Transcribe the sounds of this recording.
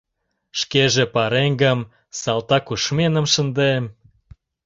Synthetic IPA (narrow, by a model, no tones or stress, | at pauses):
ʃkeʒĕpɑɾeŋɡə̆m | sɑlt̪ɑkuʃmenə̆mʃə̆nd̪em